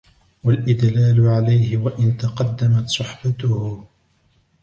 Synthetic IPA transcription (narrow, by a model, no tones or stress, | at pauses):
walʔɪd̪laːlʊʕalajhɪwaʔɪnt̪ɑqɑd̪ːamat̪sˤʊħbat̪ʊhʊ